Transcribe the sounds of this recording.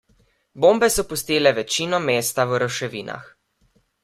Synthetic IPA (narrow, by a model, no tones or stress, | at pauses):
boːmbɛsɔpust̪iːlɛʋɛt͡ʃiːnɔmeːst̪awɾɔʃɛʋiːna̰x